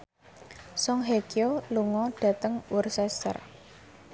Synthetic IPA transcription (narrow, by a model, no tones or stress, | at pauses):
sɔŋɦekjoluŋɔɖ̥ä̤t̪əŋursɛst̪ə̰r